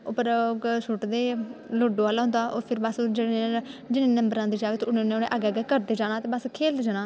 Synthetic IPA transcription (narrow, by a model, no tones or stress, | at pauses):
opəɾsʊʈd̪eːloːɖõːaːlaːɦʊ̃nd̪aːʔo̰ːpʰɪɾbasd͡ʒəɽẽd͡ʒɪnẽːnəmbəɾãːd̪iːd͡ʒaːʋeːt̪ʊnenːʊnḛ̃ːʔəɡɛːɡɛːkəɾd̪eːd͡ʒaːnãːt̪eːbəskʰeːld̪d͡ʒaːnãː